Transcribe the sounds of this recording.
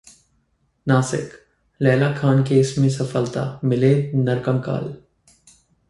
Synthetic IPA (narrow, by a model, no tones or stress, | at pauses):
naːsɪ̰k | lɛːlakʰaːnkeːsmẽsɐfəlt̪a̰ːmɪlenɐɾkə̃mka̰ːl